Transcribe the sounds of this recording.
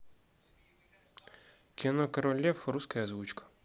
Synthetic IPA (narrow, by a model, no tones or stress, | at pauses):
kʲɪnɔkɐɾɔlʲɛfɾuskɐjɐzʋut͡ʃkɐ̥